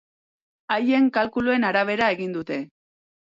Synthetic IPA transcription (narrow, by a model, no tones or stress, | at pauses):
aje̞ŋkalkulue̞naɾaβ̞e̞ɾae̞ɣind̪ut̪e̞